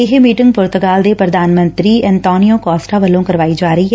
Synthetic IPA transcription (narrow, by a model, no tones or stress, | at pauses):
ɪɦmiːʈɪ̃ŋɡ̚pʊːɾt̪ʊɡaːld̪epɾɐd̪ʱaːnmə̃nt̪ɾiɛ̃nt̪ɔːnijõkɔːsʈaʋɐlõkɐɾʋaːid͡ʒaːɾəiɦɛ